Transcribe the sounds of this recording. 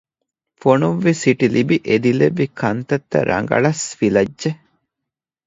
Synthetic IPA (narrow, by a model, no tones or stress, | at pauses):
fonuʋːisiʈilibiʔed̪ileʋːikʰɐnt̪ɐt̪ːɐ̰ɾʔɐ̰ŋɡɐ̰ɭɐsfilɐdʒe